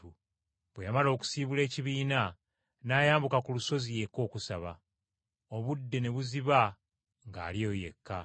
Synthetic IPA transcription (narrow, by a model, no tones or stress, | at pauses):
u | βwejamalo̞ːku̥siːβule̞ːciβiːna | naːjaːmbukakuluso̞zije̞ko̞ːkusaβa | o̞βudːe̞ne̞βuziβa | ŋɡa̰ːlio̞ːje̞̰kːa